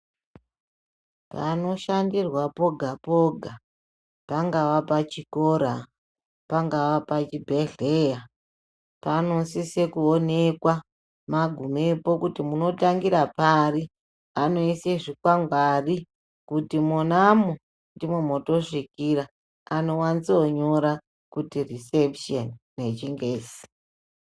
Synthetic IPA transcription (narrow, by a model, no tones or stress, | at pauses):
pa̰no̞ʃandirwapo̞ɡʱapo̞ɡʱa | paŋɡaʋapat͡ʃiko̞ɾa | paŋɡaʋapat͡ʃibʱeɮeja | panosise̞kuonekwa | maɡʱumepo̞kutimuno̞taŋɡiɾapari | ano̞iseʐikwaŋɡwari | kutimonamo | ndimemoto̞ʂikiɾa | ano̞wanit͡soɲo̞ɾa | kutirisepʃonːe̞t͡ʃiŋɡeːsi̥